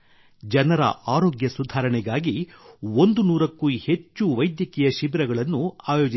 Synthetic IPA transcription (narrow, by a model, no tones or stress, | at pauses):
d͡ʒɐnɐɾɐ̰ʔaːɾoːɡjɐsud̪ʱaːɾɐɳɛɡaːɡiond̪unuːɾɐkːuhe̞t͡ʃːuʋɐjd̪jɐkɛjɐʃibɾɐɡɐɭɐnːuaːjoːd͡ʒi